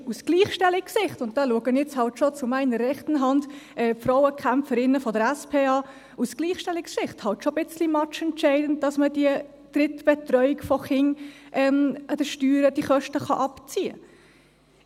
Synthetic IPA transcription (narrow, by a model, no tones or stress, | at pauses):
usɡ̥liːχʃtɛlɪksɪχtʊnt̚d̥ɑluəɡənɛt͡shɑltʃot͡sʊmæɪnərːɛχtən̩ɦɑndʔɛːfɾɔʊwəkʰæmpfəɾɪnːəfɔdəɾæspʰeːɑː | usɡ̥liːχʃtɛlɪksɪχthɑltʃob̥ɪt͡slimɑt͡ʃɛntt͡ʃɛɪdən̩t̚d̥ɑsməd̥iə | d̥rɪtb̥ɛtrœʏɪkfɔχɪŋʔɛmɑd̥əʃtyːɾəd̥iχœʃtəχɑ̰ʔɑpt͡siːə̰